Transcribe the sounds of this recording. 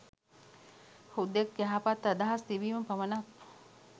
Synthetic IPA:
hud̪ekjaɦapat̪ːad̪aɦast̪iʋiːmɐpɐʋənap

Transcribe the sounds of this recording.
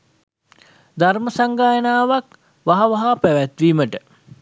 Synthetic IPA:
d̪arməsaŋɡaːjənaːʋak | ʋaɦaʋaɦapæʋæt̪ʋiːməʈə

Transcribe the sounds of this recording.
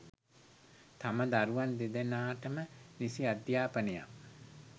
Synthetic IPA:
t̪aməd̪aɾuʋand̪ed̪enaːʈəmənisiad̪jaːpəneja̰m

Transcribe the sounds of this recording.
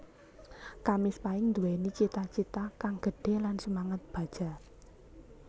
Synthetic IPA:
kamɪspaɪŋnd̪uwɛnit͡ʃit̪at͡ʃit̪akaŋɡ̥əɖ̥e̤lansəmaŋət̪̚b̥a̤d̥ʒ̥a̤

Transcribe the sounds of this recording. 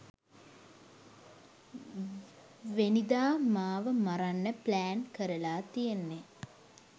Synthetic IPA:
ʋenid̪aːmaːʋəmaɾanːəplæːnkəɾəlaːt̪ijenːe

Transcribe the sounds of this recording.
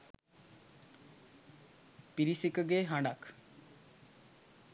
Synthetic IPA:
piɾisikəɡeɦãɳɖak

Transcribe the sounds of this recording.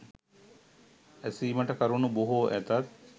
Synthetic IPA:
æsiːməʈəkɐɾunubuɦoːʔæt̪at̪̚

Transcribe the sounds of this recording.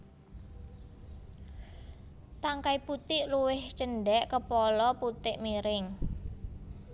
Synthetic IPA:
t̪aŋkaiput̪ɪʔluwɪht͡ʃənɖɛʔkəpɔlɔput̪ɪʔmiɾɪŋ

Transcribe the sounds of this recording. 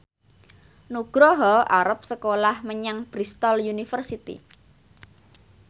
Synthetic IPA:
nuɡ̥ɾɔɦɔʔaɾəp̚səkolahməɲaŋb̥ɾist̪ɔljunifərsit̪ḭ

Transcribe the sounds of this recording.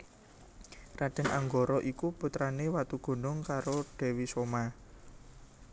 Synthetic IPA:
raɖ̥ɛ̤nʔaŋɡoɾɔʔikuput̪ɾanewat̪uɡ̥o̤nʊŋkaɾoɖ̥ɛ̤wisoma

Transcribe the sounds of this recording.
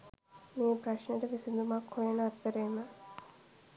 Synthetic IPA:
meːpɾɐʃneʈəʋisind̪umakhojenəɐt̪ːəɾeːmə

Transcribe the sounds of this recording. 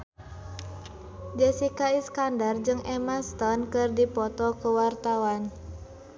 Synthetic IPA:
d͡ʒɛsikaiskandard͡ʒɨŋʔɛmast̪ɔnkɨrdipɔt̪ɔkəwart̪awan

